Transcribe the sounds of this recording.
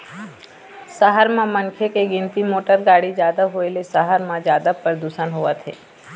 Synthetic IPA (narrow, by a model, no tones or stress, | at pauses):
səɦəɾmãmənkʰekeɡɪ̃nt̪imoːʈəɾɡaːɽid͡ʒjaːd̪aɦoelesəɦəɾmãd͡ʒjaːd̪apəɾd̪usənɦoʋat̪ʰḛː